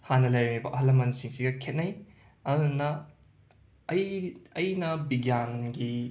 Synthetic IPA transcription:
hanɐlɐjɾɐnibɐʔɦɐlːɐmɐnsiŋsiɡɐkʰet̚nɐj | ɐɾunːɐ | jɐjnɐbiɡjanɡi

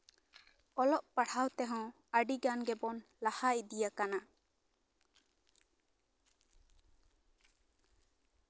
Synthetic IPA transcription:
ɔlɔʔpaɽhawt̪ɛɦɔ̃ | əɖiɡanɡɛbɔnlahaid̪ijakana

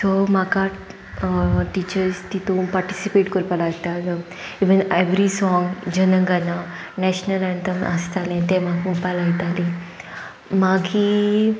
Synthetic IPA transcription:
somaka | ʈit͡ɕəɾst̪it̪ũpaɾʈisipeʈkəɾpalajt̪alə | iʋəneʋɾisɔŋɡd͡ʑənəŋɡana | nɛɕnəlãnt̪əmʔa̰st̪alɛ̃t̪ɛ̃maɡũpalajt̪ali | maɡi

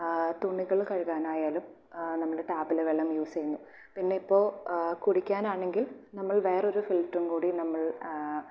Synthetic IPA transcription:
t̪uɳːiɣɐɭkɐɻuɣaːnaːjaːlum | nɐmːɐɭeʈaːbileʋeɭːɐmjuːsɐjunːu | pinːe̞ipːo̞ːkuɽikʲːaːnaːɳe̞ŋɡilnɐmːɐɭʋe̞ːro̞ɾufilʈrumkuːɽinɐmːɐɭ

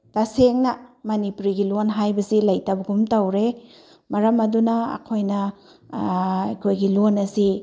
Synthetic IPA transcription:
taseŋnɐmɐnipuɾiɡilonɦajbɐsilɐjtabɐɡumtɐwɾe | mɐɾɐmɐdunɐɐ̰kʰojnɐ | jkʰojɡilonɐsi

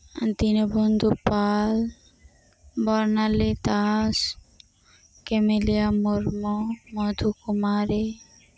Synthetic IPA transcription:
d̪inobond̪ʱupal | bɔɾnalet̪as | kemeliamoɾmomod̪ʱukumaɾe

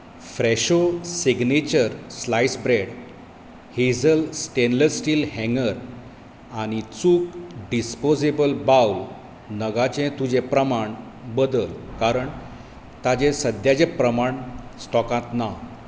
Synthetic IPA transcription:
fɾɛɕosiɡnet͡ɕəɾslajsbɾeɽ | hed͡zəlsʈenləɾsʈiːlɦɛ̃ŋɡəɾ | aɽ̃it͡suːkɖispod͡zebəlbawl | nəɡat͡ɕẽt̪ud͡ʑepɾəmaɳ | bəd̪əlkaɾəɳ | t̪ad͡ʑẽsəd̪jad͡ʑẽpɾəmaɳsʈɔkãt̪na

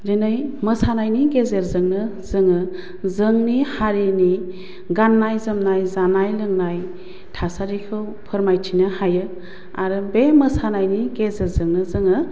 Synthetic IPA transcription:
denɯjməsanajniɡezeɾzɯŋnɯzɯŋɯ | zəŋnihaɾini | ɡanːajzɯmnajzanajlɯŋnaj | tʰasaɾikʰɯw | pʰəɾmajtʰinɯhajɯ | aɾɯbeməsanajniɡezeɾzɯŋnɯzɯŋɯ

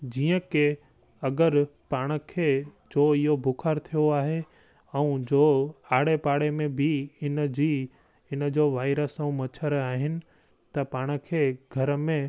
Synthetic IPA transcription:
d͡ʑiːə̃ke | ɐɡəɾpaːɽ̃ə̆kʰeːd͡ʑoːɪɦobʱʊkʰaːɾt̪ʰijoaːɦe | ɛũd͡ʑoːaːɽepaːɽemẽbʱɪɪnd͡ʑi | ɪnəd͡ʑoːʋaːɪɾəsə̃ũmɐt͡ɕʰəɾaːɦɪnɪ̆ | t̪ɐpaːɽ̃̆kʰeːɡʱɐɾəmẽ

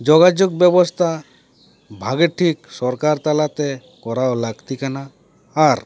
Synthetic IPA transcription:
d͡ʒɔɡad͡ʒuɡ̚bjɛbɔst̪ʰa | bʱaɡeʈʰiksɔɾkaɾt̪alat̪e | kɔɾaolaɡt̪ikanaː | ɾ

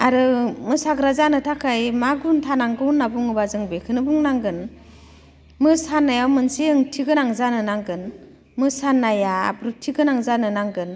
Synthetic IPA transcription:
aɾɯmɯsaɡɾazanɯtʰakʰajmaɡuntʰanaŋɡɯnːabuŋɯbazɯŋbekʰɯnɯbuŋnaŋɡɯn | mɯsanːajawmɯnseɯŋtʰiɡɯnaŋzanɯnaŋɡɯn | mɯsanːajabɾutʰiɡɯnaŋzanɯnaŋɡɯn

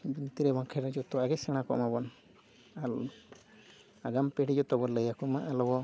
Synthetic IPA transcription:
bint̪iɾɛbaŋkʰɛɾad͡ʒɔt̪ɔaɡɛsɛɽ̃akɔ̰ʔmabɔn | al | aɡampɛɽid͡ʒɔt̪ɔbɔləjakɔmaʔalɔbɔ

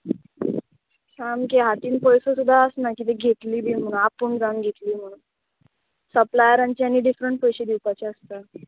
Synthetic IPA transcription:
samkeɦat̪iːnpɔjsəsud̪ʱːaəsnakiːt̪eɡʱet̪liːbʱiːm̤əɽ̃unapəɳd͡zanɡʱet̪liːm̤əɽ̃uːn | səplajəɾaɲt͡ɕjanːiːɖifɾəɳʈpɔjɕid̪iwpat͡ɕeəst̪a

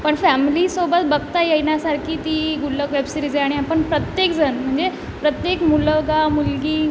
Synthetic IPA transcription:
pəɳfæmilisobət̪bəɡt̪ajejnjasaɾkʰiːt̪iːɡuləkʋebsiɾid͡zeaɽ̃iapəɳpɾət̪jekd͡zənm̤əɳd͡ze | pɾət̪jekmuləɡamulɡiː

